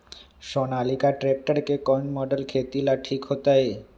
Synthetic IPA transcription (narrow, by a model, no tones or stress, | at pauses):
ʃonalikaʈɾek̚ʈaɾkekɔjɳmɔɖelkʰet̪ilaʈʰikhot̪aj